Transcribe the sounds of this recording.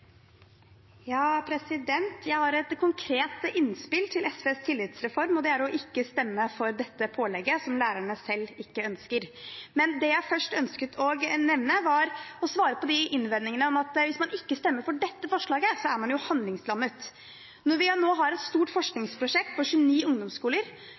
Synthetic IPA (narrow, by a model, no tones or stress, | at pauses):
jɑːpʰɾɛsɪd̪ɛnt̪ʰjæɪhɑɾɛt̪kʰʊŋkʰɾeːt̪əʔɪnspɪlt̪ʰɪlɛsʋeːst̪ʰɪlːɪt̪sɾɛfɔɾmɔd̪ɛæɾɔʔɪkːəst̪ɛmːəfɔɾd̪ɛt̪ːəpʰoːlɛɡːəsɔmlæːɾæɳəsɛlːɪkːəœnskəɾmɛnd̪ɛjæɪfœʂʈœnskət̪ʰɔɡnɛʋnəʋɑɾɔsʋɑːɾəpɔd̪ɪʔɪnʋɛd̪nɪŋənəɔmɑt̪ʋɪsmɑnʔɪkːəst̪ɛmːəɾfɔɖɛt̪ːəfɔʂɭɑːɡəsɔæɾmɑnjʊhɑnd̪lɪŋslɑmːət̪ | nɔɾʋɪnoːɦɑɾɛt̪st̪uːʈfɔʂknɪŋspʰɾʊʂɛk̚t̪̚pɔɕʉəniːʊŋd̪ɔmskuːləɾ